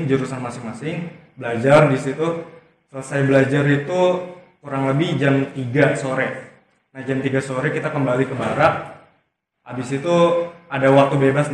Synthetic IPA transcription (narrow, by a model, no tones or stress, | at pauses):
ŋd͡ʒəɾusanmasɪŋmasɪŋ | bəlad͡ʒardisit̪u | sələsajbəlad͡ʒaɾit̪ukuɾaŋləbɪhd͡ʒamt̪iɡasoɾɛ | nahd͡ʒamt̪iɡasoɾɛkit̪akəmbalikəbaɾaʔ | abɪsit̪uadawak̚t̪ubebas